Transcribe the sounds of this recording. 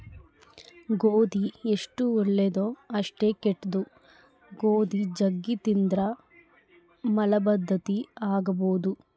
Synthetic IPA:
ɡoːd̪ieʂʈuɔɭːed̪oːɐʂʈe̞ːkeʈːd̪u | ɡoːd̪id͡ʒɐɡːit̪ind̪ɾɐ | mɐlɐbɐd̪ʱːɐt̪iaːɡɐboːd̪u

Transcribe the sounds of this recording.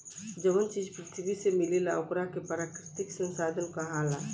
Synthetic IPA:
d͡ʒəmənt͡ʃiːd͡ʒpɾɪt̪ʰibisemɪlelaʊkɾakepəɾaːkɾɪt̪ɪksə̃nsaːd̪ʱənkaɦala

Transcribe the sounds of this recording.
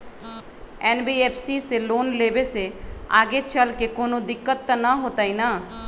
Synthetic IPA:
ɛːnbieːpʰsiseloːnleːbesea̰ːɡet͡ʃəlkekoːnod̪ɪkːət̪ːnaɦoːt̪aina

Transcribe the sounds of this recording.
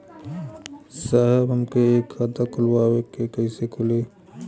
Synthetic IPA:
saɦɛbɦɐmkeeːkhat̪akʊlwaːwekːekəisekʰʊle

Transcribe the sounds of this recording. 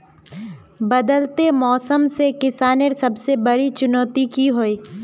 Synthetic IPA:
bɐd̪əlt̪emɔːsəmsekɪsaːneɾsɐbsebɐɾit͡ʃʊnɔːt̪ikiɦoiː

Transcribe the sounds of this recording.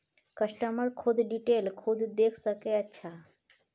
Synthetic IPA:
kəʃʈəməɾkʰʊd̪ʱɖiʈelkʰud̪ʱd̪eːkʰsəkeətːʃʰa

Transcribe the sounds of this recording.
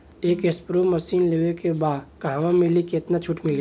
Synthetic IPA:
eːkespɾomɐsiːnleːʋekebaːd̪kaɦãmɪliket̪nat͡ʃʰʊʈmɪle

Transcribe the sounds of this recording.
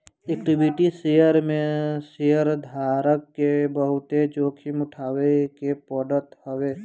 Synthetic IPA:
eːkʈibiʈisejəɾmẽsejəɾd̪ʱaːɾəkːebəɦʊt̪ed͡ʒoːkʰimʊʈʰaːwekepɔːɖəɾt̪hoʋeː

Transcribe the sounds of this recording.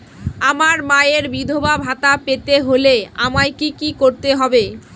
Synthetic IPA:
amaɾmaeɾbid̪ʱobabʱat̪apet̪eɦoleamaekikikoɾt̪eɦɔbe

